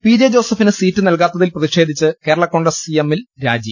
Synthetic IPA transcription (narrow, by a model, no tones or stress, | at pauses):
piːd͡ʑed͡ʑo̞ːsɐfinɨsiːtːɨnɐlk̬aːt̪ːɐðilprɐðiʂe̞ːd̪ʱit͡ɕːɨke̞ːɾɐɭɐkːo̞ːɳɖrɐsijemːilɾaːd͡ʑi